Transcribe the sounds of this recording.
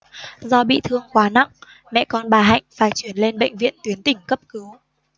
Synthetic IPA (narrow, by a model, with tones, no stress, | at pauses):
zɔ˧ɓḭ˧˨t̪ʰɨ˧əŋkwaː˨˦na̰˧˨ŋ | mɛ̰˧˨kɔ˧nɓaː˨˩ɦa̰˧˨jŋ̟faː˧˩jt͡ɕwi˧˩ənle˧nɓə̰˧˨jŋ̟vḭ˧˨ənt̪wi˨˦ənt̪ï˧˩ŋ̟kə˦˥p̚kɨ˨˦w